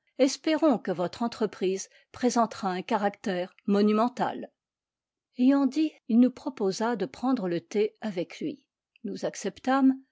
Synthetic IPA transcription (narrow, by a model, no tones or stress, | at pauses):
ɛspeʁɔ̃kəvɔt̪χɑ̃t̪χəpχiːz | pχezɑ̃t̪χaɛ̃kaʁakt̪ɛːʁmɔnymɑ̃t̪a̰l | ejɑ̃d̪iilnupχɔpozad̪əpχɑ̃d̪ʁələt̪eavɛklɥḭ | nuzaksɛpt̪am